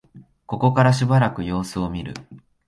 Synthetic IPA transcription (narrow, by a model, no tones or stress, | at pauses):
ko̞ko̞kaɾaɕ̬ibaɾakɯ̟jo̞ːsɨo̞mʲiɾɯ̰